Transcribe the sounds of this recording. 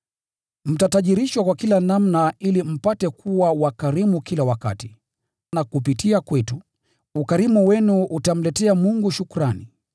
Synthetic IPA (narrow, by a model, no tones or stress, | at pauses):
m̩tataʄiɾiʃwakwakilanamnailim̩patɛkʰuwawakaɾimukilawaka̰ti | nakupitiakwɛtu | ukaɾimuwɛnuʔutam̩lɛtɛamuŋɡuʃukuɾani